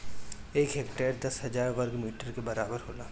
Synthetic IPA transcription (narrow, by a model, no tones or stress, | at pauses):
eːkɦeːkʈeːɾd̪ɐsɦɐd͡ʒaːɾʋɐɾɡmiːʈəɾkebɐɾaːbəɾɦoːlaː